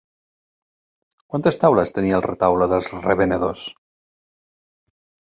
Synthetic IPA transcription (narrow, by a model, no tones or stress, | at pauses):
kwant̪ast̪awlast̪enialret̪awloðelˠzreβeneðos